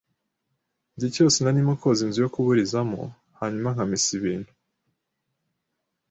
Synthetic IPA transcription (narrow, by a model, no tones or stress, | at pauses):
dico̞ːsenanimoko̞zinzijokuβuɾizamo̰ | haɲumaŋ̥amisiβiːn̥hu